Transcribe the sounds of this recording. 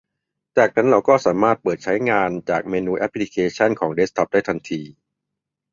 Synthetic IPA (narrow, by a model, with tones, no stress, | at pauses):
t͡ɕaː˨˩k̚pʰa˦˥nɾa˧wkɔː˥˩saː˩˦maː˥˩t̪̚pɤː˨˩t̪̚t͡ɕʰa˦˥jŋaː˧nt͡ɕaː˨˩k̚meː˧nuː˧ʔɛ˦˥pʰːli˦˥kʰeː˧t͡ɕʰa˥˩nkʰɔː˩˦ŋde˦˥st̪ʰɔ˦˥p̚daː˥˩jt̪ʰa˧nt̪ʰiː˧